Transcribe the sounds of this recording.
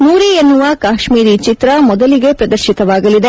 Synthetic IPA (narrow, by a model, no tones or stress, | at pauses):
nuːɾienːuʋɐkaːʃmiːɾit͡ʃit̪ɾɐmɔd̪ɐliɡe̞pɾɐd̪ɐɾʃit̪ɐʋaːɡɐlid̪e